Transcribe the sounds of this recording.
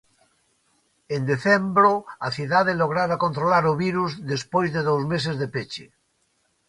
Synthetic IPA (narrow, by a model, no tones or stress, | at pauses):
end̪eθembɾoaθjiðaðeloɣ̞ɾaɾakont̪ɾolaɾoβiɾuzðespojzðeðowzmes̬ezðepet͡ʃḛ